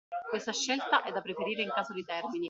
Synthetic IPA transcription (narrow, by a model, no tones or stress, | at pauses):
kwest̪aʃːelt̪aʔɛd̪ːapːɾefeɾiːɾeiŋkaːzod̪it̪ɛrmini